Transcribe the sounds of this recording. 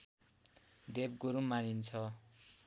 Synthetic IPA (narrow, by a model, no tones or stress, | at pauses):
d̪ebɡuɾumanint͡sʰʌ